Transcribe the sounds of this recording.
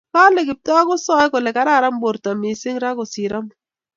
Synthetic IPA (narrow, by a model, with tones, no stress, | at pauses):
ka˦lɛ˨kɪ˨p̚tɔ˦a˦kʊ˦sɔ˦jkɔ˨lɛ˨ka˦ɾa˦˨ɾa˦mbo˨ɾta˨mi˨sɪ˦ŋɾa˦kʊ˨si˨ɾa˦m